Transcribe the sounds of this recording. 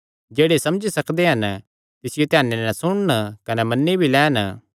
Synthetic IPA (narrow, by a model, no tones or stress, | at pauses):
d͡ʒeːɽesɐmd͡ʒisɐkd̪eɦɐn | t̪ɪsɪjot̪ɪjaːnːenɛ̃sʊɽ̃nkɐnɛmɐnːibʱilɛːn